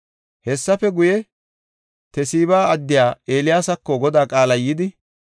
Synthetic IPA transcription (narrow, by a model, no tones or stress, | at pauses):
hɛsːɐfɛɡʊjɛ | t̪ɛsiːβaːɐd̪ːɪjaːe̞ːlɪjaːsɐkːɔɡɔd̪aːkʼaːlɐjːɪd̪ɪ